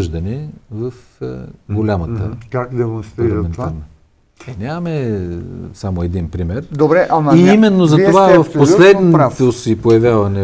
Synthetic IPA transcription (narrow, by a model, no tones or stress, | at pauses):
ʒd̪ɐnɛvɐf | ɡolʲamɐt̪ə̰kakd̪ɛmonst̪ɾiilɐɾmɛnt̪anɐ | ɛnʲamɐmɛ | samoɛd̪inpɾimɛɾd̪obɾɛʔɐmiimɛnːozɐt̪ovavɐfpolɛd̪nt̪osipojɐvʲjavɐnɛ